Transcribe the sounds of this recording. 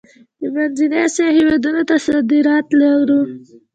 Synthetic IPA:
d̪əmanzinasahɪwɑd̪unot̪asad̪iɾɑt̪laɾu

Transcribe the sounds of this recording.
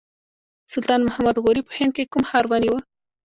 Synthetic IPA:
sult̪aːnmɐhɐmɐd̪ɣoɾiphenkekumhaːɾwɐniwə

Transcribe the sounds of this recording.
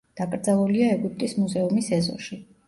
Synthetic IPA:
d̪̥akʼɾd̪zalˠuliaɛɡip̚ʼt̪ʼismuzɛumisɛzɔ̰ʃi

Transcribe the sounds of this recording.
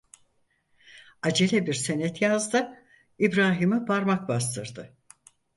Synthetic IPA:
ad͡ʒelʲɛbiɾsenɛt̪jazd̪ɯ | ibɾaːɦimɯpʰaɾmakbas̬t̪ʰɯɾd̪ɯ

